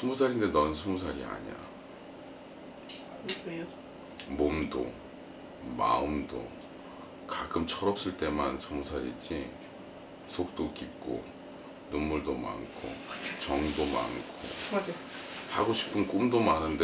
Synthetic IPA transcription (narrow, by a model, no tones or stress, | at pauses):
sʰumus̬ʰaɾindenʌnɯnsʰumusʰaɾia̰ɲia̰ | momdo̰ | ma̰ɯmdo̰ | kakɯmt͡ɕʰʌɾʌp̚s͈ɯɭt͈e̞mansʰumus̬ʰaɾḭd͡ʑi | sʰok̚t͈ok͈ip̚k͈o̰ | numːuɭdoma̰nkʰo̰t͡ɕʌŋdoma̰nkʰo̰ad͡ʑaha̰ɡoɕʰi̥pʰɯnk͈umdomanɯnde